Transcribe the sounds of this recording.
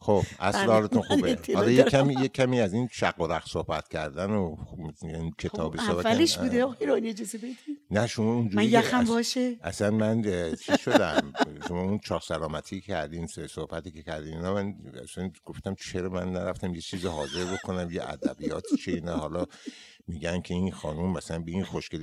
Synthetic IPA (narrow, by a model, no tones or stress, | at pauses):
xob̥æslehɒːlet̪ʰunxuːbet̪ʰeɒlɒjeæmijecʲʰæmiːæzinʃæɡːoɾæxsohbæt̪cʰʲæɾd̪æno | ikʰet̪ʰɒːbbesobævæleʃbud̪eɒjeɾonied͡ʒɒːzebed̪inæʃomɒːund͡ʒuːæijæxæbɒːʃeʔæsænmænt͡ʃʰizʃod̪æmʃomɒːunt͡ʃʰɒːɾsælɒːmæt̪ʰiːcʰæɾd̪insohbæt̪iːkʰekʰæɾd̪iːninɒmænæ̰sænɡ̥o̞ft̪æmt͡ʃʰe̞ɾɒmænːæɾæft̪æmjet͡ʃʰiːziɦɒːze̞ɾbokʰonæmjeʔæ̰d̪æ̰bijɒːt̪ʰit͡ʃʰenæhɒːlɒː | miːɟænkʰeinxɒːnumːæsælænbeinxoʃkel